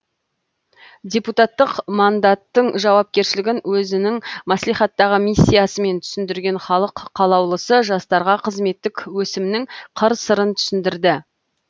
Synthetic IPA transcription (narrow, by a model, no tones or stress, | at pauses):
dʲe̞put̪ɑt̪ːəqmɑnd̪ɑt̪ːəɴʒɑwɑp̚kʲe̞ɾʃɪlɪɡʲɪnwɵzɪnɪŋmɑslijχɑt̪ːɑʁəmisʲːijasəme̞nt̪ʰʏ̥sɪnd̪ɪɾɡʲe̞nχɑlˠəqʰːɑlˠɑwlˠəsəʒɑst̪ɑɾʁɑqʰəzme̞t̪ːɪkʲwɵsɪmɪnɪŋqʰəɾsəɾənt̪ʰʏ̥sɪnd̪ɪɾd̪ɪ